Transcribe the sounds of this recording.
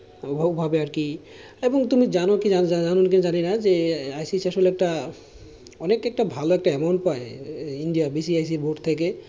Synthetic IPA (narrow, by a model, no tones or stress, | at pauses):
ubʱabeaɾki | ebɔŋt̪umid͡ʒanokiaaanonk̬ind͡ʒaninazeajsisɛʃolɛk̚ʈa | ɔnekɛk̚ʈabʱaloɛk̚ʈaɛmoɳʈpaeinɖijabisiajs̬ibʱoʈt̪ʰek̬e